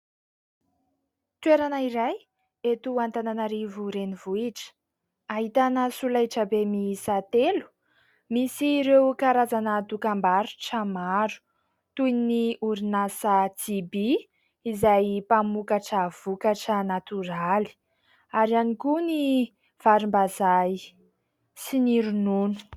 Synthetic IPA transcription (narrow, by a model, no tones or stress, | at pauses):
t̪weɾanaiɾaj | et̪uant̪ananaɾivuɾenivuiʈ͡ʂə̥ | aɦit̪anəsulaʈ͡ʂəbemisat̪elu̥ | misiɾewkaɾazanəd̪ukambaɾuʈ͡ʂəmaɾu̥ | t̪uj̪niʔuɾinasəd͡zibiː | zajpamukaʈ͡ʂəv̥ukaʈ͡ʂənat̪uɾaali̥ | aɾianikuni | v̥aɾimbazaj | siniɾununu̥